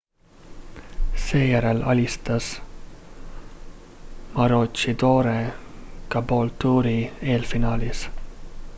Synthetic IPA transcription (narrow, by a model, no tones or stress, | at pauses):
seɛɾɛlɑ̰list̪ɑs | mɑɾot͡ʃid̪oːɾekɑbolt̪uːɾieːlfinɑːlis